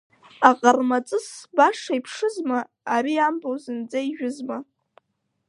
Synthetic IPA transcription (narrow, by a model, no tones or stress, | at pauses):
aqʼarmat͡sʼɨsbaʂaipʰʂɨzmaː | ɾiambowzɨnd͡zaiʒᶣʊzma